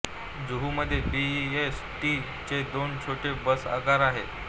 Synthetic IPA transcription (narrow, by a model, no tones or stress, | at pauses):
d͡zuɦuməd̪ʱːjebies | ʈi | t͡ɕed̪ont͡ɕʰoʈebəsa̰ɡaɾaɦe